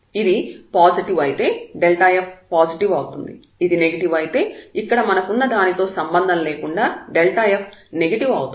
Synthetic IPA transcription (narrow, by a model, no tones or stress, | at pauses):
id̪ipaːd͡ʒiʈiʋɐjit̪e̞ːɖelʈaːjep̚paːd͡ʒiʈiʋɐwut̪und̪ḭ | id̪ineɡɐʈiʋɐjit̪e̞ːikːɐɽɐmɐnɐkunːɐd̪aːnit̪o̞ːsɐmbɐnd̪ʱɐnleːkuɳɖaːɖelʈaːjɐp̚ʰneɡɐʈiʋɐwut̪